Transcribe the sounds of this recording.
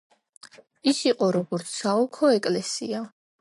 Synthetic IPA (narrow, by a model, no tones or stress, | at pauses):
isiqʼɔɾɔɡɔɾt̪sʰsaɔkʰɔɛkʼlɛsḭa